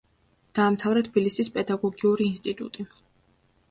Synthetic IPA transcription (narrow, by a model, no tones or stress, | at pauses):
d̪̥aːmt̪ʰavɾat̪ʰb̥ilisispʼɛd̪aɡɔɡiuɾiːnst̪ʼit̪ʼṵt̪ʼi